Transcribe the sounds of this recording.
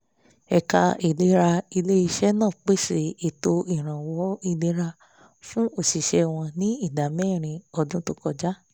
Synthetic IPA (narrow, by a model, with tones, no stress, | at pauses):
ɛ˨ka˧i˨le˨˦ɾa˧i˧le˦i˧ʃɛ˦nãː˦˨k͡pe˦ʃe˦˨i˨to˧i˦˨ɾ̃ã˨wɔ˨˦i˧le˦ɾa˧ | fũ˦o˦˨si˨ʃɛ˧w̃ɔ̃˧nĩ˦i˦˨da˨mɛ̃ː˦˨ɾ̃ĩ˧ɔ˧dũ˦to˦˧kɔ˧d͡ʒa˦